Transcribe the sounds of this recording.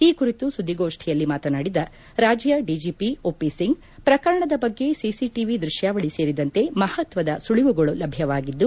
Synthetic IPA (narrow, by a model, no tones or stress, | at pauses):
iːkuɾit̪usud̪ːiɡoːʂʈʰijɐlːimaːt̪ɐnaːɽid̪ɐ | ɾaːd͡ʒjɐɖid͡ʒiːpioːpisiŋɡ | pɾɐkɐɾɐɳɐd̪ɐbɐɡːe̞sisiʈiʋid̪ɾuʃjaːʋɐɭise̞ːɾid̪ɐnt̪e̞mɐhɐt̪ʋɐd̪ɐsuɭiʋuɡɐɭulɐbʱjɐʋaːɡid̪ːu